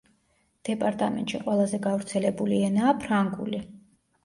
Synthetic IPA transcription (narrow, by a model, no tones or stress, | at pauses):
d̪̥ɛpʼaɾt̪ʼamɛ̰nt̪ʼʃiqʼwɛlˠazɛɡavɾt̪sʰɛlɛbuliɛnaːpʰɾaŋɡṵli